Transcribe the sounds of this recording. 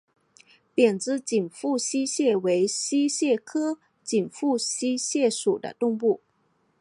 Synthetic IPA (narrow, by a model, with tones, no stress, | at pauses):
pjɛ˨˩nt͡sɹ̩˥t͡ɕi˨˩nfu˥˩ɕi˥ɕjɛ˥˩we˧˥ɪɕi˥ɕjɛ˥˩kʰɤ˥ | t͡ɕi˨˩nfu˥˩ɕi˥ɕjɛ˥˩ʂu˨˩d̪ə̰˦t̪ʊ˥˧ŋpu˥˩